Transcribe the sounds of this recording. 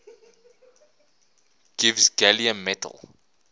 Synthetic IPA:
ɡ̥ivzɡɛliə̃mːɛtʰə̰lˠ

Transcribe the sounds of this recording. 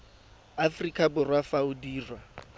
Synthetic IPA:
afrikʼabʊrwafaʊdiːrwa

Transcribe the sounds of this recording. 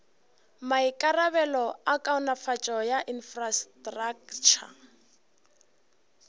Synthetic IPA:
maikʼaraβɛlɔakʼaʊnafat͡ʃʼɔjaʔinfrastʼrakt͡ʃʰa̰

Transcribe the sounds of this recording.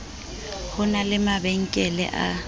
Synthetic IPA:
hʊnalɪmabɛŋ̩kʼɛlɛ̰ʔa

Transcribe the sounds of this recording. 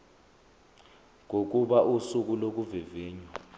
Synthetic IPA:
ŋʱok̬ʼuɓaʔusuk̬ulok̬uvɛvɛːɲwa

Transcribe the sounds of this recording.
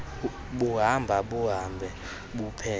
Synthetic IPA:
ɓuɦambʱaɓuɦambʱɛ | ɓupʰɛː

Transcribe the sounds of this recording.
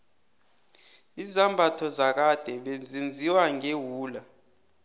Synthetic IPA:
izambʱatʰɔzak̬ad̥ʱɛɓend͡zʱind͡zʱiwaŋewuːla

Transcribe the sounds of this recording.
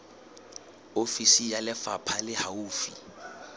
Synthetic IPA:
ofisijalɪfapʰalɪhauːfi

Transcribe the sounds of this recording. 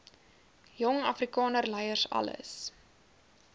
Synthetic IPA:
jɔŋɐfrikɑːnərlɛjərsɐ̰lə̰s

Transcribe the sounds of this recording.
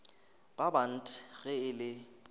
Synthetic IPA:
b̥aban̩tʰʼɪɣɛɪlɪ

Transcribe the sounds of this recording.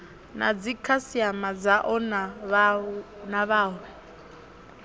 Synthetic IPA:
nad͡zikʰasiamad͡zaʔɔna | naβaːwɛ

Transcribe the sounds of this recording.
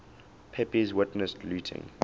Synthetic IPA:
pʰɛpizwɪtnəstluːtʰɪ̰̃ŋ

